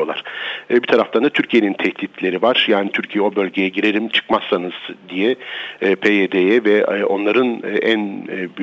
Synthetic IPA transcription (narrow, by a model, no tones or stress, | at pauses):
olˠa̰ɾ̥bit̪ʰaɾaft̪ʰand̪at̪ʰyɾcʰije̞nint̪ʰɛht̪it̪ʰlʲe̞ɾivaɾ̥jaːnit̪ʰyɾcʰijɛo̞bø̞lʲɟe̞jɛɟiɾe̞ɾimt͡ʃʰɯ̥kmasːanɯz̥d̪ijɛpʰeed̪ejɛvɛo̞nlˠaɾɯnːʔænːby